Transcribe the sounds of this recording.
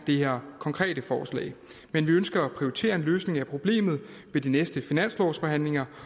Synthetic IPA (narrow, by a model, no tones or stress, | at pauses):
d̥e̝heɐkʰɒ̽ŋkʰʁɛ̰ːɾəfɒːslɛ̰ːɪmenʋiønsɡ̥ɐːpʰʁioit͡sʰe̝̰ːɐe̝nløːsne̝ŋæpʰʁo̝b̥le̝̰ːmð̩ˠ | ʋe̝dinesd̥əfinæn̰slɒ̰ːsfɒ̽ɦæn̰le̝ŋɐ